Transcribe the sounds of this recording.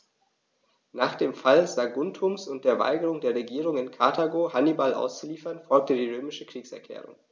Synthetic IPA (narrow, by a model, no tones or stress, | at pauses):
naːχd̥eːmfalzaɡʊntʰʊmsʊntd̥eːɐva̰ɪɡəʁʊŋdeːɐʁeɡiːʁ̞ʊŋɪnkʰa̰ɐtʰaɡoːhanibalʔa̰ʊst͡suliːfɐnfɔlk̚tədiːʁøːmɪʃəkʁ̥iːksɛɐkʰl̥ɛ̰ːʁʊ̰ŋ